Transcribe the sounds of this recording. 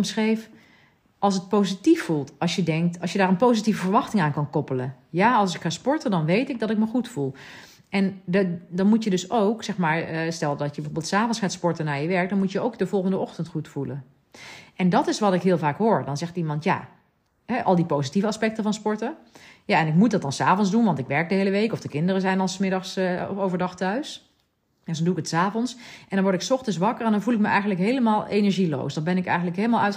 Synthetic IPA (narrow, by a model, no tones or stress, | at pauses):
msχrejf | ɑlˠs̬ət̚powzitifːulˠtɑlˠsjədɛŋk̚tɑlˠsjədaːɹənpowzitivəvəɹʋɑxtɪŋaːnkɑnkɔpələjaːɑlˠs̬ɪkχaːspɔɹtədɑnʋejtɪk̚dɑtɪk̚məχutfulˠ | ɛndɑnmutjədɵsowksɛxmaːɹstɛlˠdɔtjəbəvoːbɪlˠtsaːvɔnsχaːtspɔɹtənaːɹjəʋɛɹk̚dɔnmutjəowkdəvɔlˠɣəndəɔxtəntχutfulən | ʔɛndɑtɪsʋɑtɪkɦɪːlˠvaːkɦoːɹdɑnzɛχtimɑntja̰ː | ɦɛʔɑlˠdipowzitivəɑspɛk̚təvɑnspɔɹtə | jaɛnɪkmut̚dɑt̚dɑnsaːvɔnzdunʋɑntɪkʋɛɹk̚dəɦejləʋejkɔfdəkɪndərəzɛjnɑlˠsmɪdɑχsowvəɹdɑχtœɥs | ɛsonduɪkətsaːvɔnsʔɛndɑnʋɔɹɪksɔχtənsʋɑkəɹɛndɑnvulɪk̚məʔɛjɣəndləkɦejləmaːlˠejnəɹʒilo̰wsdɑnbɛnɪkɛ̰jxənləkɦejləmalˠœɥt